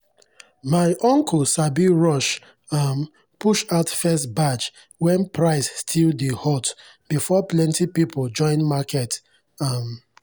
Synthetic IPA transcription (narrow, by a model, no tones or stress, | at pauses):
maɪʔɔ̃ŋkʰɔlsabiɹɔʃ | am | puʃaʊtfɛstbat͡ʃ | wɛ̃npʰɹaɪsstʰildihɔt | b̥ifɔplɛ̃ntipipʰɔld͡ʒɔ̃ɪ̃nmakʰɛt | am